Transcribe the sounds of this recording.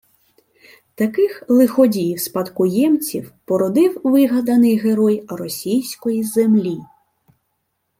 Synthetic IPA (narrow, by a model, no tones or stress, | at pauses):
t̪ɐkɪxlˠɪxɔdʲijwspɐt̪kʊjɛmt͡sʲiwpɔɾɔd̪ɪwʋɪɦɐd̪ɐnɪjɦeɾɔjrɔsʲijsʲkɔjizemlʲi